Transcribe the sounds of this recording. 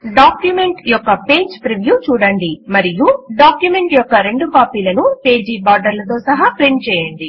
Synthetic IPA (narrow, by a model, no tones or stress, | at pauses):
ɖaːkjume̞ɳʈjɔkːɐpe̞ːd͡ʒpɾeʋjuːt͡ʃuːɽɐɳɖimɐɾijuɖaːkjume̞ɳʈjɔkːɐɾe̞ɳɖukaːpiːlɐnupeːd͡ʒiːbaːɾɖɐɾlɐt̪o̞ːsɐɦaːpɾiɳʈt͡ʃɛːjɐɳɖi